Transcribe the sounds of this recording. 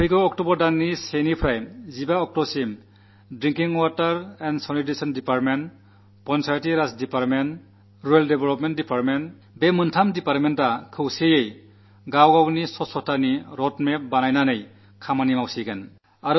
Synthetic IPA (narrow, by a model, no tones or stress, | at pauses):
pʰiɡɯɔk̚tɔbɔɾdaŋnisenipʰɾajzibaɔk̚tɔsim | dɾiŋkiŋwatɐɾɛnsɔnitesɔndipaɾtmen | pɔnsaɾtiɾasdipaɾmen | ɾueldebelɔpment̚dipaɾtment | bemɯntʰamdipaɾmentakʰɯwsejej | ɡawɡawnisɔsɔtʰːaniɾɔtmep̚banajnanɯj | kʰamanimawsiɡen | aɾ